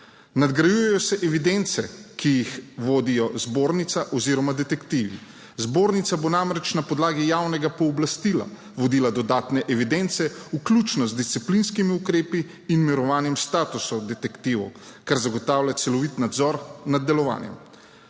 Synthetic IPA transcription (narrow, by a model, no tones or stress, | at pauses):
nad̪ɡɾajujɛjɔsɛʔɛʋid̪ent̪sɛkijixʋoːd̪ijɔzboːɾnit̪saʔɔziːɾɔmad̪ɛt̪ɛkt̪iːʋḭ | zboːɾnit̪sabonamɾɛt͡ʃnapɔd̪laːɡijawnɛɡapɔːblast̪iːla̰ | ʋɔd̪iːlad̪ɔd̪aːt̪nɛʔɛʋid̪ent̪sɛuklʲut͡ʃnɔzd̪ist̪siplinskimiukɾeːpiː | nmiɾɔʋaːnjɛmst̪aːt̪usɔd̪ɛt̪ɛkt̪iːʋɔ̰kaɾzaɡɔt̪aːwlʲat̪sɛlɔʋit̪nad̪zɔɾnad̪ːɛlɔʋa̰ːnjɛ̰m